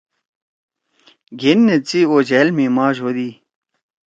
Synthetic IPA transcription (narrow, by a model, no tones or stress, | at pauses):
ɡenːet͡siod͡ʑɛlmimaʑod̪iː